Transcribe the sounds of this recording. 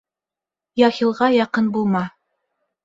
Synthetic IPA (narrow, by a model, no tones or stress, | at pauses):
jɑxilˠʁɑjɑqɤnbulˠmɑ